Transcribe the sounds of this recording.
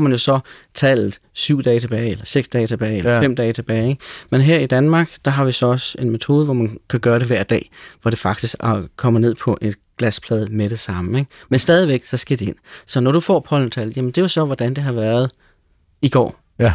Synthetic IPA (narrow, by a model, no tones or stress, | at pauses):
mænjo̝sɒ̽t͡sʰɛːlð̩ˠ | syʊ̰d̥ɛːt͡sʰe̝b̥ɛːɪelɐseɡ̥sd̥ɛːt͡sʰe̝b̥ɛːelɐem̰d̥ɛːt͡sʰe̝b̥ɛːɪeɡ̥menɦeɐ̰id̥ænmɑ̈ːɡ̥d̥ɑ̈ɦɑ̈ʋisɒ̽ɒ̽se̝nmet͡sʰo̝ːðˠəʋɒmænkʰæɡ̥ɶːɐɾ̥e̝ʋæɐ̰d̥ɛ̰ːʋɒɾ̥e̝fɑ̈ɡ̥d̥isɡ̥kʰɒ̽m̰əne̝ð̰ˠpʰɒ̽ʔe̝d̥ | ɡ̥læspʰlɛːðˠmeɾ̥e̝sɑ̈məeɡ̥mensd̥ɛːðˠiʋeɡ̥sɒ̽sɡ̥ed̥e̝e̝n̰sɒ̽nɒɾ̥ufɒ̰ːpʰɒ̽l̰n̩t͡sʰɛ̰l̩ˠjæmənd̥e̝jɑsɒ̽ʋɒd̥ænd̥e̝ɦɑ̈ʋæːɐð̞ˠ | iɡ̥ɒ̰ː